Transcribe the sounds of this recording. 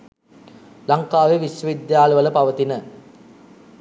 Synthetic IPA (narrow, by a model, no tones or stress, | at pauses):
laŋkaːʋeʋisʋəʋid̪jaːləʋələpaʋət̪inə